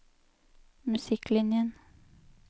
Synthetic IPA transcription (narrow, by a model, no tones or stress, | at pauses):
mʉsɪklɪnjən